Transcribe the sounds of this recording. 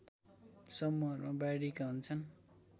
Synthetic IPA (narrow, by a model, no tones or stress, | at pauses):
sʌmːuʌɾmabajɽikaɦunt͡sʰʌn